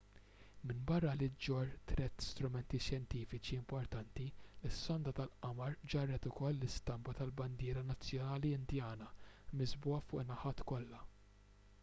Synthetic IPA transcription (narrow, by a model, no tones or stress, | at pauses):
mɪnbɐrːɐlɪd͡ʒɔɾt̪ɾɛt̪ːst̪ɾʊmɛnt̪isjɛnt̪iːfɪt͡ʃiɪmpɔɾt̪ɐnt̪ilɪsːɔnd̪ɐt̪ɐlʔɐmɐɾd͡ʒɐrːɛt̪ʊkɔlːɪst̪ɐmbɐt̪ɐlbɐnd̪ɪːɾɐnɐt͡sːjɔnɐːliɪnd̪jɐːnɐmɪzbʊːɐfʊːʔnɐħɐːt̪kɔlːɐ